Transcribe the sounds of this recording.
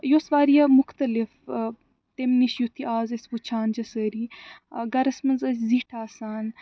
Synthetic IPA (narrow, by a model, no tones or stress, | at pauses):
josʋaːɾijɐmʊxt̪ɐlif | t̪emniʃjut̪ʰiʔaːzesʋut͡ʃʰaːnd͡ʒɐsəːɾiɡɐɾɐsmɐnzɐzziʈʰaːsaːn